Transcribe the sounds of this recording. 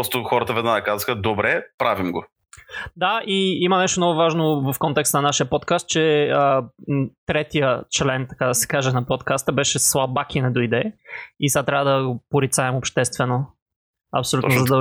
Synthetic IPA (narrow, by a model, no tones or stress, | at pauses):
ɾɔst̪ʊxɔɾət̪əvɛd̪naəkazxəd̪obɾɛpɾavimɡo | d̪aiimɐnɛʃt̪omnɔɡʊvaʒnovɐfkɔnt̪ɛkst̪ənɐnaʃijəpɔt̪kast̪̚t͡ʃɛə | t̪ɾɛt̪ijət͡ʃlɛnt̪ɐkad̪ɐsɛ̥kaʒɛnɐpot̪kast̪əbɛʃɛslˠabakinɛd̪ojd̪ɛisat̪ɾavəd̪ɐɡopoɾit̪saɛmopʃt̪ɛst̪vɛno | ɐ̰psolut̪zzɐd̪ɐ